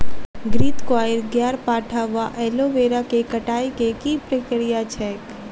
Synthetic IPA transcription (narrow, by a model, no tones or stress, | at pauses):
ɡɾiːt̪kwaːɪɾɡjaːɾpaːʈʰaʋaʔɛːloʋeːɾakekɐʈaːjkekipɾəkɾijat͡ʃʰɛːk